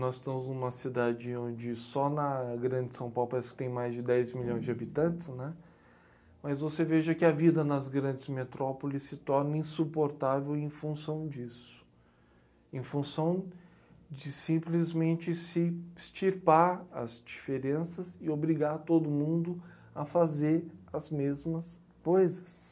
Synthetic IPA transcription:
nɔzɪst̪ɐ̃mʊznũmɐsid̪ad͡ʒɪõnd͡ʒɪsɔnɐɡɾɐ̃d͡ʒɪsɐ̃w̃pawlʊpaɾɛsɪkɪ̥t̪ẽj̃majzd͡ʒɪd̪ɛjzmiʎõj̃zd͡ʒɪabit̪ɐ̃nt̪ɪ̥snɛ | mɐzvoseveʒɐkɪɐvid̪ɐnɐzɡɾɐ̃nd͡ʒɪzmet̪ɾɔpolɪsːɪt̪ɔɾnɐĩsupoɾt̪avewẽj̃fũsɐ̃w̃d͡ʒisʊ̥ | ẽfũsɐ̃w̃ | d͡ʒɪsĩplɪzmẽnt͡ʃɪsɪɪst͡ʃiɾpaɾɐ̰zd͡ʒifeɾẽsɐzɪobɾiɡaɾt̪od̪ʊmũnd̪ʊ | ɐfazeɾɐzmezmɐs | kojzɐs

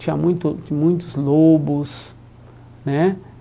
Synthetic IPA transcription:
t͡ʃĩa̰mũj̃t̪ʊmũj̃t̪ʊzlobʊs | nɛ

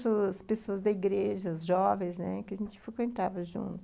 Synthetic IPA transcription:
soɐspesoɐzd̪ɐiɡɾeʒɐzʒɔvẽj̃sznɛ̰kɪɐʒẽnt͡ʃɪ̥fɾekwẽnt̪avɐʒṵ̃nt̪ʊ

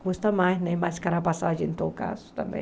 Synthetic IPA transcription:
hust̪ɐmanɐmaskɐɾapasad͡ʒint̪oka̰st̪ɐmḛ

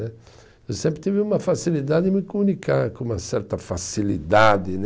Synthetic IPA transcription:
ɛ | ewsẽmpɾɪt̪ivɪũmɐfasilid̪ad̪ɪdmɪkomũnikʰaɾkõũmɐsɛɾt̪ɐfasilid̪ad̪ɪn

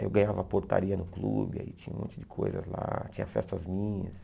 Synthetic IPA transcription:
ewɡɐ̃ɲavɐpoɾt̪aɾiɐnʊklubɪait͡ʃĩɲɐũmõnt͡ʃɪd͡ʒɪkʰojzɐzlat͡ʃĩɲɐfɛst̪ɐzmĩɲɐs

